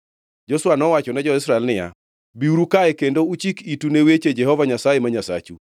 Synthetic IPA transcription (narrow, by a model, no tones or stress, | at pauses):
d͡ʒɔsʊwanɔwat͡ʃɔnɛd͡ʒɔɪsɾaɛlnɪja̰ | biuɾukaɛkendout͡ʃikitunewet͡ʃed͡ʒɛhɔvaɲasajemaɲasa̰t͡ʃṵ